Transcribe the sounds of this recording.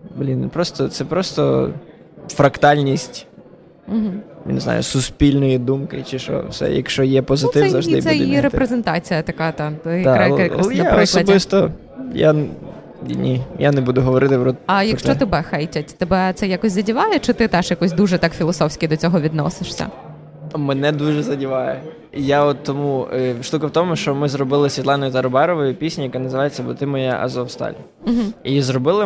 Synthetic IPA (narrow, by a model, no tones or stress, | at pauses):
blʲinpɾɔst̪ɔt̪sɛpɾɔst̪ɔ̰ | fɾɐkt̪alʲnʲisʲt̩ʲ | ɦm̩nɪzna̰jʊ̰sʊspʲilʲnɔjid̪umkɪt͡ʃɪʃɔ̰sɛ̰jɐ̰kʃt͡ʃɔjɛpɔzɪt̪ɪɛzɐʒd̪ɪ̰b̪sɛjiɾepɾezent̪ɑt͡sʲijɐt̪ɐkat̪ɑjɐd̪ɐɐlnɐapɔslɔɐd̪ʲbɪst̪ɔ | ja | nʲijanɛbud̪ʊɦɔʋɔɾɪt̪ɪpɾɔɐjɐkʃt͡ʃ̪t͡ʃɔt̪ɪbɛxɛjtʲɐtʲt̪ebɛt̪sɛjakɔsʲzɐdʲiʋɑjɛt͡ʃɪt̪ɪt̪ɛʃjɐkɔsʲd̪uʒɛt̪ɑkfʲilˠɔsɔwsʲkʲɪd̪ɔt͡sʲɔɦɔʋʲid̪nɔ̰sɪʃsʲɐ̰ | mɛnɛd̪uʒɛzɐdʲiʋɑjɛ | jaɔt̪ːɔmuʃt̪ukɪwt̪ɔmʊʃt͡ʃɔmɪzrɔbɪlˠɪsʲʋʲit̪lˠɑnɔjʊt̪ɐɾɔbɛɾɔʋɔjʊpʲisʲnʲijɐkɛnɐzɪʋɑjet͡sʲːɐbʊt̪ɪmɔja̰ʔɐ̰zɔwst̪ɑ̰lʲ | m̩ɦm̩izrɔbɪlˠɪ